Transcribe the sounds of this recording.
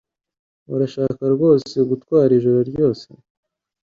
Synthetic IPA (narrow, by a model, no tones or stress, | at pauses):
uɾaʃaːkaɾɡo̞ːse̞uɡutkwaːɾiʒuɾoɾɟo̞ːse̞